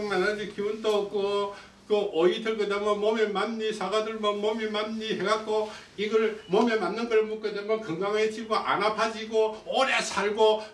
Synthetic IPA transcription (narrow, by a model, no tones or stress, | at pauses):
ŋmanad͡ʑikiunt͈ʌk̚k͈o | kɯʔoidɯɭkɯd̪amʌmʌmemamɲisʰaɡadɯɭmʌnmʌmemamɲiheɡak͈o | iɡʌɭmomemanːɯnɡɯɭmuk͈ɯd̪emjʌkɯŋɡaŋet͡ɕibɯʔa̰napʰad͡ʑiɡooɾesʰaɭɡo